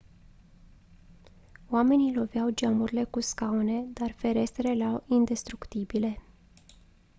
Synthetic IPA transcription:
wame̞nilo̞vjawd͡ʒamuɾile̞kuskaune̞d̪arfe̞ɾe̞st̪ɾe̞lawind̪e̞st̪ɾukt̪ibile̞

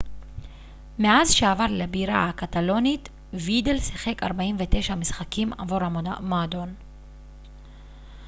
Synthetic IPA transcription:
me̞azʃeavaʁlebiʁa̰hakat̪alo̞nit | vid̪elsiχe̞kaʁbaimvet̪e̞ʃamisχakima̰vuʁamoad̪o̞n

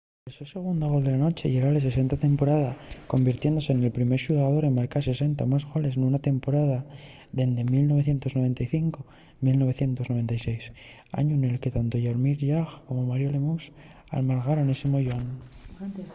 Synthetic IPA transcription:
esuse̞ɣ̞und̪aɣo̞ld̪e̞lano̞t͡ʃe̞ʝeɾales̬e̞s̬e̞nt̪at̪e̞mpo̞ɾaðako̞mbiɾt̪je̞nd̪o̞se̞ːnelpɾime̞ɾʃuɣaðo̞ɾe̞mmaɾkase̞se̞nt̪amazɣole̞snunat̪e̞mpo̞ɾaða | ðe̞nd̪e̞milno̞β̞e̞θje̞nt̪o̞znoβ̞e̞nt̪ajθiŋko | milno̞β̞e̞θje̞nt̪o̞zno̞β̞e̞nt̪ajse̞js | a̰ɲuene̞lke̞t̪ant̪o̞ʝaɾmiɾʝaɣko̞mo̞maɾjolemus | a̰lmaɾɣaɾo̞ne̞semoʝon

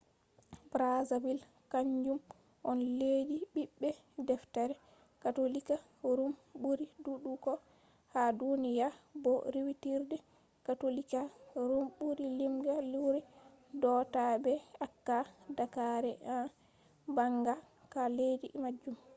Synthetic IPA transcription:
bɾazabil | kaɲd͡ʒum | ʔɔnled͡ʒibiɓːɛ | dɛftaɾɛ | katolika | ɾumbuɾiduɗukɔ | hadunijabɔɾiwitiɾdɛ | katolikaɾumɓuɾilimɡaluɾɛ | dɔtabɛakːadakaɾɛa | baŋɡa | kaled͡ʒimad͡ʒːum

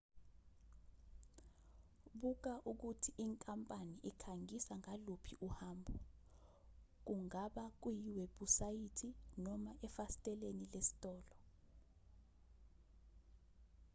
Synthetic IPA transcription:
ɓuk̬aʔuk̬utʰiʔiŋkʼampʼaniʔikʰaŋisaŋalupʰiʔuhaːmbʱɔ | k̬uŋaɓak̬ujiweɓusajitʰinɔmaʔɛfastʼɛlenilesi̥tʼɔːlɔ

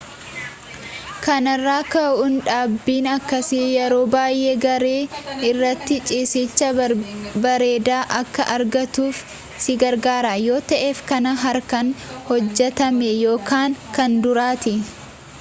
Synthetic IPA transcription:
kɐnɐrːaːkɐʔʊnᶑaːbːiːnɐkːɐsɪjɛɾo̞ːbaːjʔeːɡɐɾeːɪrːɐt̪ːɪt͡ʃʼiːsɪt͡ʃːɐbɐɾe̞ːd̪aːʔɐkːɐʔɐɾɡɐt̪uːf | sɪɡɐɾɡaːɾaːjo̞ːt̪ɐʔeːfkɐnɐɦɐɾkɐnhɔd͡ʒːɛt̪ɐmɛjo̞ːkʰaːŋkɐnd̪ʊɾaːt̪ɪ

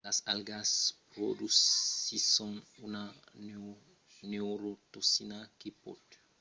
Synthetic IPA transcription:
lasalɡaspɾo̰dusisõnuna | newɾot̪osinakipɔ̰t

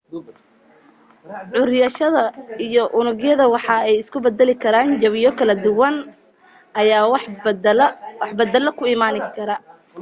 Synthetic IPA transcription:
ʕʊɾjɐʃɐðɐijɔʔʊnʊɡjɐðɐwɑħɑɛjɪskʰʊbɐd̪ɛlɪkʰɐɾaːnd͡ʒɐβɪjɔkʰɐlɐd̪ʊwɐn | ʔɐjaːw | wɑħbɐd̪ɛlɐkʰʊiːmaːnɪkʰɐɾɐ

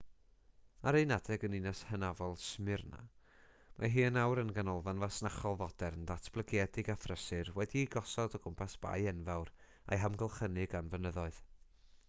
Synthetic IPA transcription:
aɾejnadɛɡəninashənavɔlˠsmɪrna̰ | ma̰ɦiːənawɾənɡanɔlˠvanvasnaχɔlˠvɔdɛɾəndatʰb̥lˠəɡjɛdɪɡafrəsɨrwɛdiɡɔsɔdɔɡʊmpʰasb̥a̰jɛnvawr | a̰jɦamɡəlˠχənɨɡanvənəðɔɨð̥

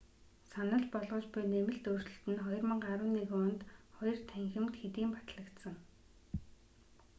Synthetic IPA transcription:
sanə̆ɮpɔɮʁɞ̆ːt͡ɕpʊjnemɘ̆ɬt̪ɵr̥t͡ɕɵ̆ɬt̪ɘ̆nχɔjɞ̆rmə̆ɴɢaɾə̆nːiːkʊnt̪χɔjɞ̆r̥t̪ʰæŋxɘ̆mt̪xet̪iːmpḁt̪ɮə̆kt̪sə̆ŋ

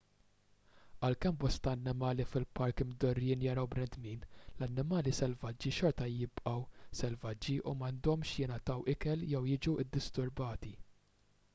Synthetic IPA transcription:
ʔɐlkɛmbɔst̪ɐːnːɪmɐːlifɪlpɐɾkmd̪ɔrjɪːnjɐɾɐwbɾɛnd̪miːnlɐnːɪmɐːlisɛlvɐd͡ʒːiʃɔɾt̪ɐjɪpʔɐwsɛlvɐd͡ʒːiʔumɐnd̪ɔmʃjɪnɐt̪ɐwʔɪkɛljɛwjɪd͡ʒuʔɪd̪ːɪst̪ʊɾbɐːt̪i

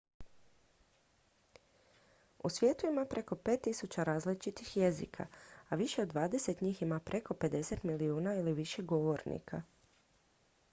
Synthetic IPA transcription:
ṵsʋje̞ːt̪uimapɾʔe̞ko̞pet̪ːisut͡ɕaɾaːzlit͡ʃit̪ixje̞zḭkʰa̰aʋiʃe̞od̪ʋaːd̪e̞se̞t̪ɲiːximapɾʔe̞ko̞pe̞d̪e̞se̞t̪miliuːnailiʋiʃe̞ɡo̞ʋo̞ɾnḭkʰa

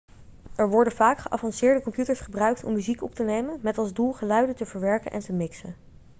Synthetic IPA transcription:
ʔɛɹʋɔɹdəvaːkχəʔɑfɑnsɪːɹdəkɔmpjutəɹsχəbrœɥk̚tɔ̰mːyzikɔp̚tənejmənmɛtɑlˠzdulˠχəlœɥdətəvəɹʋɛɹkənʔɛ̰ntəmɪksən

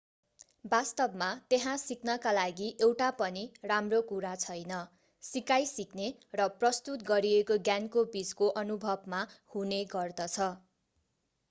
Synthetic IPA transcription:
bast̪ʌbmat̪eɦãsiknʌkalaɡiʔewʈapʌniramrokuɾat͡sʰʌjnʌ | sikajsiknerʌprʌst̪ut̪ɡʌɾiekoɡjankobid͡zkoʔʌnubʱʌbmahuneɡʌrd̪ʌt͡sʰʌ

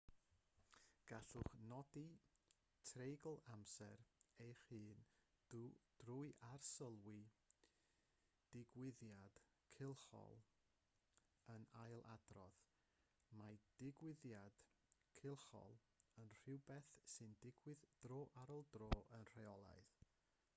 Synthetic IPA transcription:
ɡ̥aɬʊχnɔdi | tʰrejɡlˠamsɛɾejχɨːn | d̥rʊɨʔarsəlˠwi | d̥ɪɡwɪðjad̥ | kʰɪlˠχɔ̰lˠ | ənajlˠʔadrɔ̰ð | mad̥ɪɡwɪðjad̥ | kʰɪlˠχɔ̰lˠ | ənr̥ɪwbɛθsɨndɪɡwɨðd̥roːʔaɾɔlˠdroːʔənr̥eɔlˠa̰ɨð

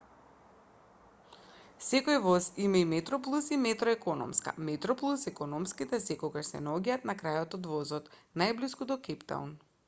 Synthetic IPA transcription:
sɛkojvɔzimaimɛt̪ɾɔplˠusimɛt̪ɾɔɛkɔnɔ̰mska̰mɛt̪ɾɔplˠusɛkɔnɔmskit̪ɛsɛkɔɡaʃsɛ̰naɔɟaaːt̪nakɾajɔt̪ɔd̪vɔzɔt̪najbliskud̪ɔkɛpt̪a̰ṵn

